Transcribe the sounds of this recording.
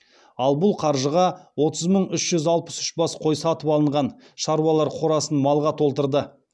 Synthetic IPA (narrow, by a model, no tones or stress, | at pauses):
ɑlˠbʊlˠqʰɑɾʒəʁɑwo̞t̪əzməɴʏʃʒ̥ʏzɑlˠpə̥sʏ̥ʃbɑsqʰo̞jsɑɑːt̪əpɑlˠəɴʁɑn | ʃɑɾwɑlˠɑɾqʰoɾɑsənmɑlˠʁɑt̪ʰo̞lˠt̪əɾd̪ə